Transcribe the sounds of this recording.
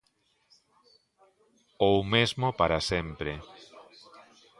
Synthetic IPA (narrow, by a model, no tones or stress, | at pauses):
owmezmopaɾasempɾe